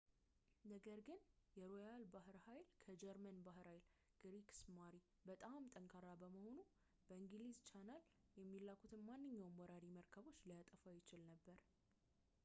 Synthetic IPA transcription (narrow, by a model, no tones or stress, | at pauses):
nəɡəɾɡɨnjɛɾojalbaɦɨɾhajlkʰəd͡ʒɛɾmənbaɦɨɾhajl | ɡ̥ɾiksmaɾi | bət̪ʼamt̪ʼəŋkʼʰaɾabəməho̞nu | b̥əɨŋɡlizt͡ʃanəl | jɛmːilːakʰut̪ʰɨnmanːɨɲːawmwɔɾaɾiməɾkʰəβo̞t͡ʃːlijat̪ʼəfajɪt͡ʃɪlnəbːəɾ